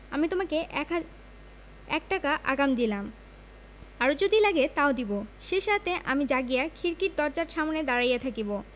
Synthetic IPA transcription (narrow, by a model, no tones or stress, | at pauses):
amit̪omake | ɛ̰k̚ʈakaʔa̰ɡamd̪ilam | aɾod͡ʑod̪ilaɡet̪aod̪iboʃeʃat̪eʔamid͡ʑaɡijakʰiɾkiɾ̚d̪ɔɾd͡ʑaɾʃamoned̪aɾajat̪ʰakibo